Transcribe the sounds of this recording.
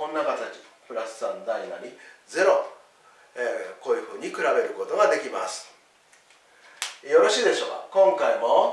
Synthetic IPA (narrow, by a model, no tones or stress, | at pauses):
õnːakat̪at͡ɕi̥ | pɯ̟ɾasɨ̥sãnd̪ainaɲ̟id͡ze̞ɾo̞ | eko̞ːjɯ̟ɸɯ̟ːɲ̟ikɯ̟ɾabe̞ɾɯ̟ko̞t̪o̞ɡad̪e̞kʲimasɨ̥ | jo̞ɾo̞ɕiːd̪e̞ɕo̞ːka̰kõ̞ŋkaimo̞